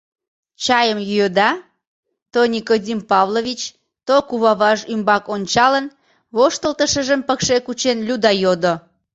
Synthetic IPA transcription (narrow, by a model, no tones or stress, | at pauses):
t͡ɕɑjəmjyød̪ɑ | t̪onʲikodʲimpɑvloβʲit͡ɕ | t̪okuβɑβɑʒymbɑkonʲt͡ɕɑlən | βoʃt̪əlt̪əʃəʒəmpəkʃekut͡ɕenlʲud̪ɑjod̪o